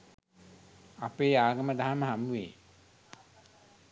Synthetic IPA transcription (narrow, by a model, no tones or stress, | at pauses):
apeːaːɡəməd̪aɦaməɦamuʋḛː